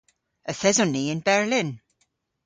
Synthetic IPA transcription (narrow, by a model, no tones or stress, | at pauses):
əθɛzɔnːiɪnbɛɹlɪn